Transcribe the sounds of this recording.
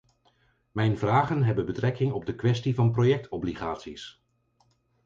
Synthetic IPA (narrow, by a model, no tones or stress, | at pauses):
mɛjnvraːχənɦɛbənbətrɛkɪŋɔb̚dəkʋɛstivɑnprojɛk̚tʰɔbliχaːtsis